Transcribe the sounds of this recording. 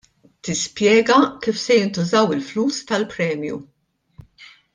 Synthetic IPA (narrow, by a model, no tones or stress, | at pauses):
t̪ɪspjɛːɡɐkiːfsɛjɪnt̪ʊzɐwɪlfluːst̪ɐlpɾɛːmjṵ